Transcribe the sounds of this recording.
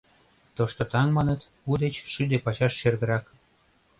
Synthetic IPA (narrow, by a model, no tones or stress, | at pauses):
t̪oʃt̪ŏt̪ɑŋmɑnə̆t̪ | ud̪et͡ɕʃyd̪epɑt͡ɕɑʃːerɣə̆ɾɑk